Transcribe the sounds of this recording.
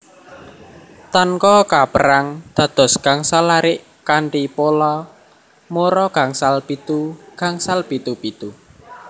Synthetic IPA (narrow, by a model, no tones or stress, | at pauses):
t̪aŋkɔkapəɾaŋd̪̥ä̤d̪̥ɔ̤sɡ̥aŋsalaɾɪʔ | kaɳʈipolɔ | moɾɔɡ̥a̤ŋsalpit̪uɡ̥a̤ŋsalpit̪upit̪u